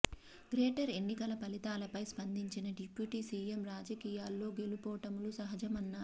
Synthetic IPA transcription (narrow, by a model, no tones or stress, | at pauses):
ɡɾeːʈɐɾe̞nːikɐlɐpɐlit̪aːlɐpɐjspɐnd̪iɲt͡ʃinɐɖipjuːʈiːsiːemɾaːd͡ʒɐkiːjaːlːo̞ːɡe̞lupɔːɐʈɐmulusɐɦɐd͡ʒɐmɐnːaː